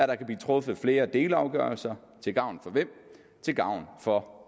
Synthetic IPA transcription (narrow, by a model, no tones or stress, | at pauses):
æɾ̥ɑ̈kʰæb̥liːt͡sʰʁɔ̽fð̩ˠfle̝ːɐd̥e̝ːlɑ̈ʊɡ̥œɐlsɐ | t͡sʰe̝lɡ̥ɑ̈ʊ̰nfɒ̽ʋem̰ | t͡sʰe̝lɡ̥ɑ̈ʊ̰nfɒ̽